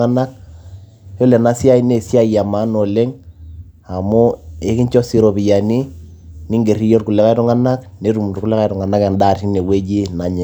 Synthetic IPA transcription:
a˦na˦k̚ | jɔ˦lɛ˨na˨˦si˦a˦i˦ne˨sja˦˨ja˨ma˨˦no˨le˦ŋ | a˨mʊ˦e˦kɪ˦ɲt͡ʃɔ˦si˦ɾo˨pi˨ja˨ni˦ | nɪ˦ŋɡe˨ri˦jɔ˦rku˨lɛ˦ka˦i˦ɾɔ˦ŋa˦na˦kne˦ɾu˨m˨ku˦lɛ˦ka˦ɾɔ˨ŋa˨na˦ka˨nda˦˨ri˦ne˨we˦d͡ʒi˦na˨ɲɛ˨

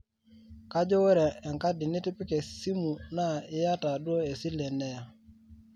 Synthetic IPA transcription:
ka˦d͡ʒɔ˦wɛ˦ɾɛː˨ŋka˦dɪ˨ni˦tɪ˦pɪ˦kɛ˨si˦mu˨na˦˨ɪ˦ja˦ta˨do˦e˨si˦lɛ˨nɛ˦ja˨

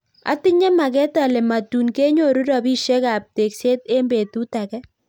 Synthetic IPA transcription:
a̰˦tɪ˦ɲɛ˦ma˨kɛ˦ta˨lɛ˨ma˨tu˨nke˦ɲo˦˨ɾu˦ɾɔ˨bi˦ʃe˦ka˨p̚te˨kse˦te˦mbe˨tu˦ta˨kɛ˦

